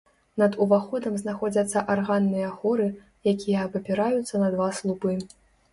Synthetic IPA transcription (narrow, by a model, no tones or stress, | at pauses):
nɐd̪uvaxɔd̪ɐmznaxɔd͡zʲɐt̪sːɐʔarɣanːɨjɐɣɔɾɨ | jakʲijɐːbɐpʲiɾajut̪sːɐnɐd̪vaslˠupɨ